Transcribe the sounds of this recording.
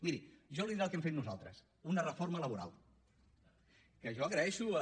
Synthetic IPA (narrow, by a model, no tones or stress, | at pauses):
miɾiʒɔliðiɾəlˠkɛmfet̪nuza̰lˠt̪ɾə̰s | unərəfoɾmələβuɾa̰lˠ | kəʒɔəɣɾəɛʃu